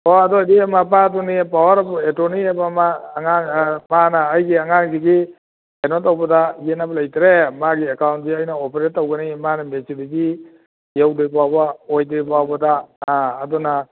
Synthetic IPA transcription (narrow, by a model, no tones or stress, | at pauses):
ɔadɔdimapatɔnipawaɾabɔetɔniabamaːŋanmanaːjɡiaŋanɡiɡi | enɔtawbadajenablajtɾemaɡiakawnt̚ɡiajnaɔpeɾetːawɡənimanamesidiɡi | jawdebabaɔjdebawbadaaːdɔna